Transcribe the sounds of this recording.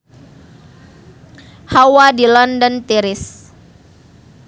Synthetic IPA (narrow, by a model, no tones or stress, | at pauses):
hawadilɔndɔnt̪iɾɪs